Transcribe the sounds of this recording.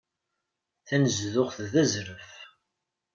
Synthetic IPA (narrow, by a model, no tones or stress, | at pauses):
θænəzðʊʁθðæzɾəf